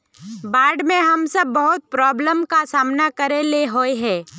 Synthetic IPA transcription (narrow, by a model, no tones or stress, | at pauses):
baːɾɖmẽɦɐmsɐbːɐɦʊt̪̚pɾɔːbləmkasaːmnakɐɾeleɦoeɦɛ̃ː